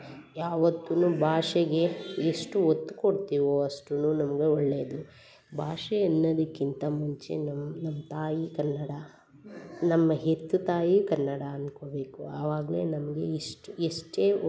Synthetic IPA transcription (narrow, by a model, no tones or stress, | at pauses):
jaːʋɐt̪ːunuːbʱaːʂɛɡe̞eʂʈuot̪ːu̥koɽt̪iːʋoɐʂʈunuːnɐmɐɡe̞ɔɭːeːd̪u | bʱaːʂɛjɐnːɐd̪ɐkːint̪ɐmuɲt͡ʃḛnɐmnɐmːɐt̪aːjikɐnːɐɽɐ | nɐmːɐɦet̪ːut̪aːjikɐnːɐɽɐːnko̞ːbe̞ːkuɐʋaːɡɐle̞̰nɐmɐɡe̞̰iʂʈueʂʈeː